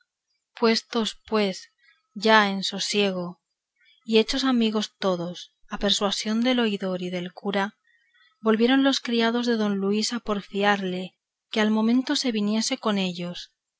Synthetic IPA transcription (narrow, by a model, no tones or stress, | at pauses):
pwe̞st̪o̞spwe̞s | ɟ͡ʝae̞nso̞sje̞ɣ̞o̞ | ie̞t͡ʃo̞samiɣo̞st̪o̞ðo̞sape̞ɾswasjo̞nd̪e̞lo̞iðo̞ɾiðe̞lkuɾa | bo̞lβje̞ɾonlo̞skɾiað̞o̞zðe̞ðo̞nluisapo̞ɾfiaɾle̞ | kealmõ̞mẽnt̪o̞se̞βinje̞se̞ko̞ne̞ʎo̞s